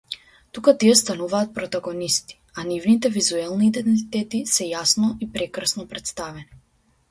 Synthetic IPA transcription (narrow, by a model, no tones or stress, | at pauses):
t̪ukat̪iɛst̪anuvaːt̪̚pɾɔt̪aɡɔnist̪i̥anivnit̪ɛvizuɛlˠniːd̪ɛnt̪it̪ɛt̪isɛjasnɔʔipɾɛkɾsnɔpɾɛt̪st̪avɛni